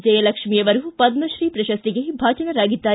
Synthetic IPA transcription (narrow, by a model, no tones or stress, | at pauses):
d͡ʒɛjɐlɐkʂmijɐʋɐɾupɐd̪mɐʃɾiːpɾɐʃɐst̪iɡebʱaːt͡ʃɐnɐɾaːɡid̪ːaː